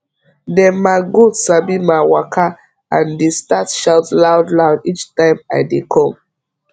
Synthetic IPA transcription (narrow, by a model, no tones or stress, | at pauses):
dɛ̃nmaɪɡudsabimaɪwakʰa | ãndestatʃaʊtlaʊdlaʊdit͡ʃtãɪma̰ɪdekʰɔ̃m